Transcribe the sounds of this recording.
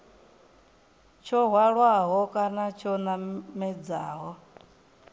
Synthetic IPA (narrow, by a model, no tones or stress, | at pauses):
t͡ʃʰɔɦwaɺwaɦɔkʼanat͡ʃʰɔnamɛd͡za̰ːɦɔ